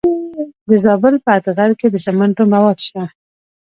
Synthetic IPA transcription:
d̪əzɑbɪlpəat̪əɣaɾked̪əsamaɳʈomawɑd̪ʃt̪a

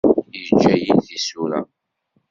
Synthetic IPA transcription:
əd͡ʒːæjinθisuɾæ̰

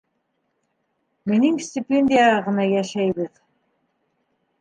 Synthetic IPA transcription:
mɘ̆niŋsʲt̪ʲɪpʲenʲdʲɪjaʁɤ̆nɑjæʃæjβɘð

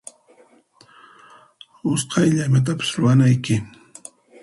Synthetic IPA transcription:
ʊsqʰɑjʎamat̪̬apɪ̥sɾʊwanajkɪ

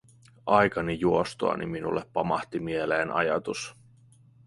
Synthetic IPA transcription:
ʔɑjkɑnijuo̞st̪oɑ̰nḭminṵlːepːɑmɑht̪imiele̞ːnʔɑjɑt̪us

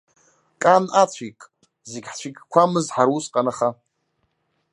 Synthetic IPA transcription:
kʼanat͡sʷʰikʼ | zeɡʲħt͡ɕʷʰikʲkʷʰamɨzħaɾusqʼanaχa

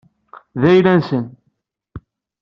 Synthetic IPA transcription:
ðæjlænsən

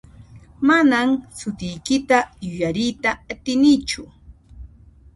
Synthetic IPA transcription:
manamsʊt̪ɪjkɪt̪ajʊjaɾɪjt̪aːt̪ɪnɪt͡ʃʊ

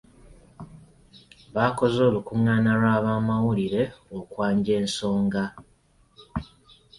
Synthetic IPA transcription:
βaːko̞zo̞ːlukuŋːaːnalwaːβaːmawuliɾe̞okwaːɲɟe̞ːnso̞ːŋɡa

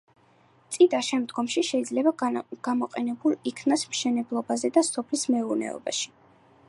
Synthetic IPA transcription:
t̪sʼid̪aʃɛmd̪ɡɔmʃiʃɛid̪zlɛbaɡ̥amɔqʼɛnɛbulˠikʰnasmʃɛnɛblˠɔbazɛd̪asɔpʰlismɛuɾnɛ̰ɔ̰ba̰ʃi̥

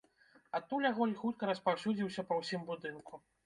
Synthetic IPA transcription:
at̪ːulʲaɣɔlʲxut̪̚kɐɾɐspawsʲud͡zʲiwsʲɐpɐwsʲimbud̪ɨnkʰu

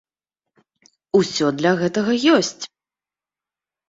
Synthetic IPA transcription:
usʲɔd̪lʲɐɣɛt̪ɐɣɐjɔsʲt͡sʲ

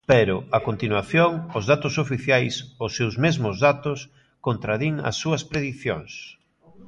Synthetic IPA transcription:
pɛɾʊakont̪inwaθjoŋʊzðat̪ʊsofiθjajsosewzmezmʊzðat̪ʊs | kont̪ɾaðiŋɐ̰sːuɐspɾeðiθjo̰ŋs

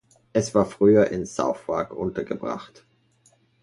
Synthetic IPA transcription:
ʔɛsv̥aːɐfʁ̥yːɐʔɪnz̥a̰ʊfv̥aɐkʔʊntɐɡəbʁa̰χt

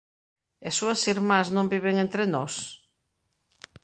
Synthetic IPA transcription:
esuɐsiɾmaznõmbiβeŋẽnt̪ɾenɔs

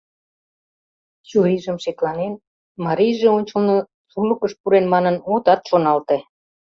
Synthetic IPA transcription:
t͡ɕuɾiʒəmʃeklɑnen | mɑɾijʒeonʲt͡ɕə̆lno | sulə̆kəʃpuɾenmɑnənot̪ɑt̪ʃonɑlt̪e

